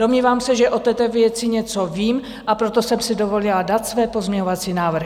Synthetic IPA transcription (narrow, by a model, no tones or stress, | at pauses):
d̥o̞mɲiːvaːmsɛʒɛʔo̞t̪ɛːt̪ɛvjɛt͡sɪɲɛt͡so̞viːm | ʔapɾo̞t̪o̞sɛmsɪdo̞vo̞lɪladat̪svɛːpo̞zmɲɛɲovat͡siːnaːvr̩